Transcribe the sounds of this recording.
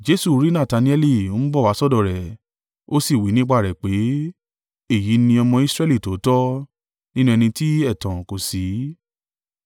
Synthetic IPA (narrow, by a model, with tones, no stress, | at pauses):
d͡ʒe˧˦su˦˨˦ɾi˦nã˦˨ta˨˧nĩ˦ɛ˦li˦˧o˨˦ñ̩˦bɔ˦˨wa˨˦sɔ˦˨dɔ˦˨ɾɛ˨ | o˦si˦˨wi˨˦nĩ˦k͡pa˦˨ɾɛ˨k͡pe˨˦ | e˦˨ji˨˦nĩ˧ɔ˧mɔ̃˧i˦sɾɛ˦li˦˨to˨˦tɔ˦ | nĩ˦nũ˧ɛ˧nĩ˧ti˦ɛ˦˨tã˨ko˨si˨˦